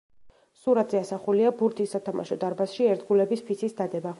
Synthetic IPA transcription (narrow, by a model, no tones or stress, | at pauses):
suɾat̪ʰz̥ɛasaχuliabuɾt̪ʰisːat̪ʰama̰ʃɔd̪aɾbasʃiɛɾt̪ɡulɛbispʰisʰisd̪ad̪ɛba